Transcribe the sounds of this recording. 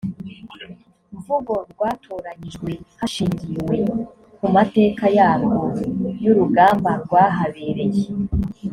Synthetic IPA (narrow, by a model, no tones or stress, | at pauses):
ɾuvuɡo̞ɾɡwaːtʰoːɾaɲiʒɡwe̞haʃiːɲɟiwe̞ | kumate̞ːkajaːβwojuɾuɡaːmbaɾɡwaːɦaβe̞ːɾe̞je